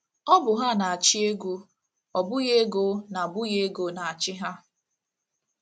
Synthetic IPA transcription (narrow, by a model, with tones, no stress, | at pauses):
ɔ˦bʊ˨ɦa˦na˨a˨t͡ʃi˦e˦ɡʷu˦ | ɔ˨bʊ˦je˦ɡo˦na˨bʊ˦je˦ɡo˨na˨a˨t͡ʃɪ˦ɦa˦